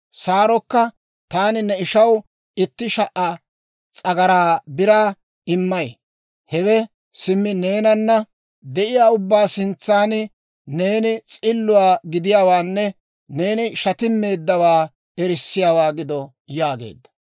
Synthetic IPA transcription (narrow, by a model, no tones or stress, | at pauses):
saːɾɔkːɐ | t̪aːnɪnɛɪʃɐw | ɪt̪ːɪʃɐʔɐ | t͡sʼɐɡɐɾaːbɪɾaː | ɪmːɐj | hɛwɛ | sɪmːɪne̞ːnɐnːɐ | d̪ɛʔɪjaːʊbːaːsɪnt͡sːaːnɪ | ne̞ːnɪt͡sʼɪlːʊwaːɡɪd̪ɪjaːwaːnːɛ | ne̞ːnɪʃɐt̪ɪmːe̞ːd̪ːɐwaː | ɛɾɪsːɪjaːwaːɡɪd̪ɔ | jaːɡḛːd̪ːɐ̥